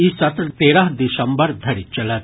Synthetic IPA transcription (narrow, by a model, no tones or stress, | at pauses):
isɐt̪ɾt̪eːɾaɦd̪ɪsɐ̃mbəɾd̪ʱɐɽit͡ʃɐlat̪